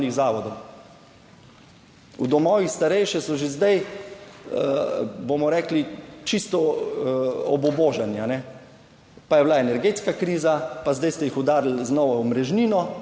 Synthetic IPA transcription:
niɣzaːʋɔd̪ɔw | ṵd̪ɔmɔːʋixst̪aɾɛjʃɛsɔʒezd̪aj | bomɔɾɛːklit͡ʃist̪ɔ | ɔbɔboːʒanianɛ | pajɛblaɛnɛɾɡeːt̪skakɾiːzapazd̪ajst̪ɛjixɔd̪aːɾl̩znɔʋawmɾɛʒniːnɔ

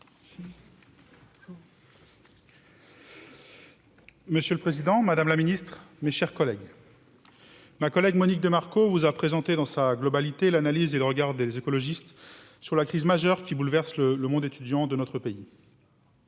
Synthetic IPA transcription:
məsjølpχezid̪ɑ̃mad̪amlaminist̪χmeʃɛʁkɔlɛɡ | makɔlɛɡmɔnik̚d̪əmaʁkovuzapχezɑ̃t̪ed̪ɑ̃saɡlɔbalit̪elanalizeləʁəɡaʁd̪ezekɔlɔʒist̪ | syʁlakχizmaʒœʁkʲibulvɛʁslələmɔ̃d̪et̪yd̪jɑ̃d̪ənɔt̪χəpei

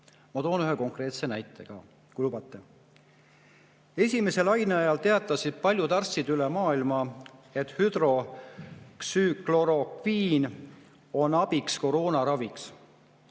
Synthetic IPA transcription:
mɑt̪o̞ːnyɦeko̞ŋkre̞ːt̪se̞næjt̪ːˑe̞ɡ̥ɑ̰ | kujlubɑt̪ˑːe̞ | e̞sʲime̞se̞lɑjneɑjɑlt̪e̞ɑt̪ːˑɑsid̪̥̚pɑlʲjud̪ɑrsid̪ylemɑːilmɑe̞t̪ˑhyd̪̥ɾo̞ | ksyklo̞ɾo̞kviːn | o̞nɑb̥iksko̞ɾo̞ːnɑɾɑviks

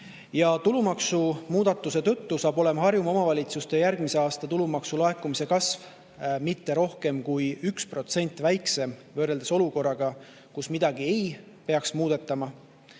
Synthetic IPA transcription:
jɑt̪ulumɑksumuːd̪ɑt̪ːˑuse̞t̪ɤ̞t̪ːusɑːb̥o̞le̞mɑɦɑrjumo̞mɑvɑlʲit̪sust̪e̞jæɾɡ̥mise̞ɑːst̪ɑt̪ulumɑksulɑe̞kːumise̞kɑsv | mit̪ːe̞ɾo̞hke̞mkujykspro̞t̪se̞nʲt̪ːˑvæjkse̞mvøːɾe̞ld̪̥eso̞luko̞rːɑɡ̥ɑ | kusmid̪ɑɡ̥ie̞j | pe̞ɑksmuːd̪̥e̞t̪ːˑɑmɑ

